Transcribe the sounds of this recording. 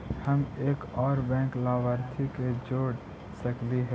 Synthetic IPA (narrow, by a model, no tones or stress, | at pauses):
həmeːkɔːɾbɛ̃ːklaːʋaɾt̪ʰiked͡ʒoːɽ | səkliɦɛː